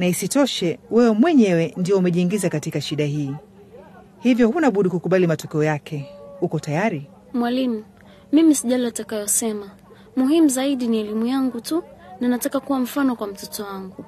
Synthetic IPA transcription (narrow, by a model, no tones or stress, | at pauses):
naisitɔʃɛwɛwɛmwɛɲɛwɛndijɔumɛʄiːŋɡizakatikaʃiɗahiː | hivjɔhunaɓuɗikukuɓalimatɔkɛɔjakʰɛukɔtajaɾi | mwalimu | mimisiʄaliatakajɔsɛma | muɦimuzaiɗiniɛlimujaŋɡutunanatakakuwam̩fanɔkwam̩tɔtɔwaŋɡu